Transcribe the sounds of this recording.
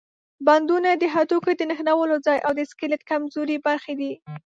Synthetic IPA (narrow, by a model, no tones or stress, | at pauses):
band̪unad̪əɦat̪ukod̪ənəxnawəlod͡zɑjʔawd̪əskəlat̪̚kamzoɾibaɾxed̪i